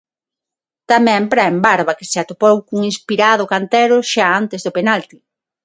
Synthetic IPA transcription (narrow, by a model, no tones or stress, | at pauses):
t̪amɛ̃mpɾaembaɾβakɪseat̪opowkuŋinspiɾaðʊkant̪ɛɾʊʃaant̪ezðʊpenalt̪i̥